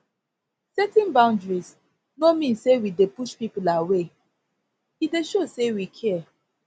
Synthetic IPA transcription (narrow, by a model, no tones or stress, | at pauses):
sɛtɛ̃nbãʊ̃ndɹis | nomĩnsewidepuʃpipulawe | hideʃosewikʰɛɛ